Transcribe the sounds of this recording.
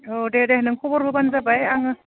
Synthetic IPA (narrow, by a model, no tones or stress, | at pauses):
ɔdedehɯnɯŋkʰɔbɔɾɦɯbanzabajaŋɯ